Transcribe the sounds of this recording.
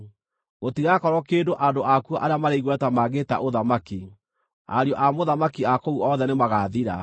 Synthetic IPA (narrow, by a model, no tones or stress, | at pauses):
ɣotiɣakɔɾɔkeːndoʔandoʔakuaʔaɾeamaɾeiɣwɛtamaɣeta̰ʔoðamaki | a̰ɾeɔʔamoðamakiakouɔðɛnemaɣaðiɾa̰